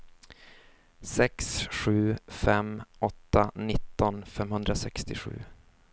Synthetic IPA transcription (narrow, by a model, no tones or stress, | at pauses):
sɛksɧʉ̟ːfɛmɔt̪ːanɪt̪ːɔnfɛmhɵnd̪ɾasɛkst̪ɪɧʉ̟̰ː